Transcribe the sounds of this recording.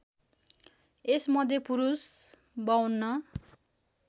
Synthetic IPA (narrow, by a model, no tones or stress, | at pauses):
esmʌd̪ʱjepuɾus | bʌwnːʌ